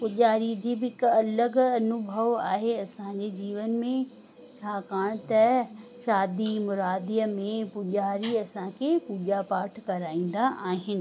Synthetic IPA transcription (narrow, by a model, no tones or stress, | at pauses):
pʊʄaːɾid͡ʑiːbɪɪkɐləɡɐnʊbʱəʋa̰ːɦeɐsãɲd͡ʑed͡ʑiːʋənmẽ | t͡ɕʰaːkaːɽ̃t̪ɐʃaːd̪imʊɾaːd̪ijəmẽpʊʄaːɾiɐsãkʰepuːʄapaːʈʰkɐɾaːĩːn̆d̪aʔaːɦɪnɪ̆